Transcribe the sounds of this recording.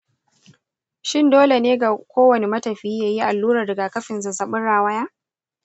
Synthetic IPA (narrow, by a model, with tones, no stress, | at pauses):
ʃɪ˦˨ndoː˦le˨neː˦ɡa˨kʷoː˦wɐ˨ne˨mɐ˦tɐ˨ɸiː˦jaː˦ji˦ʔa˨lːuː˦ɾɐ˨dɐ˨ɡa˨kɐ˦ɸɪ˨nzɐ˨sɐ˨ɓɪ˦nɽaː˨wɐ˦jaː˦